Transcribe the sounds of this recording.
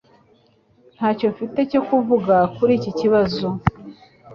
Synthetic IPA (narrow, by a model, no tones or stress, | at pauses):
n̥haːco̞fite̞co̞kuvuɡakuɾiːciciβazo̞